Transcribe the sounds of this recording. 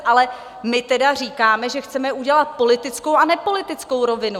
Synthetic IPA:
ʔalɛ | mɪt̪ɛdar̝iːkaːmɛʒɛxt͡sɛmɛʔuɟɛlat̪̚po̞lɪt̪ɪt͡skowanɛpo̞lɪt̪ɪt͡sko̞wɾo̞vɪnu

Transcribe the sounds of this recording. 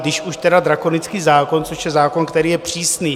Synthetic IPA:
d̪ɪʃʔuʃt̪ɛdad̪ɾakonɪt͡skiːzaːko̞nt͡soʃjɛzaːko̞nkt̪ɛɾiːjɛpr̝̥iːsniː

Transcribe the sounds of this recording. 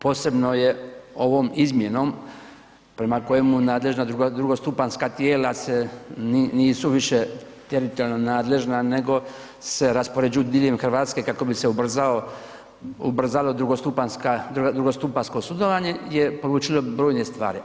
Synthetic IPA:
po̞ːse̞bno̞je̞o̞ʋo̞mizmje̞no̞m | pɾemako̞jemunaːd̪le̞ʒnad̪uɡd̪ɾuɡost̪upanskat̪jeːlaseniniːsuʋiʃe | t̪eɾit̪olnonaːd̪le̞ʒnane̞ɡo̞ | se̞ɾaspo̞ɾed͡ʒud̪iʎemxrʋaːt̪ske̞kako̞biseubr̩zao | ubr̩zalo̞d̪ɾuɡost̪upanskaud̪ɾuɡost̪upansko̞sud̪oʋaɲe̞jepo̞luːt͡ʃilo̞bɾo̞ːjne̞st̪ʋa̰ːɾi

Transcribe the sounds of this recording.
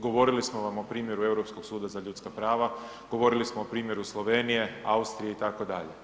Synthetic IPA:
ɡo̞ʋo̞ɾilismoʋamo̞pɾiːmje̞ɾue̞wɾo̞psko̞ksuːd̪azaʎuːt̪skapɾaːʋa | ɡ̥o̞ʋo̞ɾilismoopɾiːmje̞ɾuslˠo̞ʋe̞ːnije̞aust̪ɾijeit̪ako̞d̪a̰ʎe

